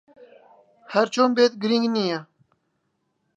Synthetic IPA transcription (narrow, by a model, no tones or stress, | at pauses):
hɐɾt͡ʃoːmbeːt̪̚ɡɾiŋɡnija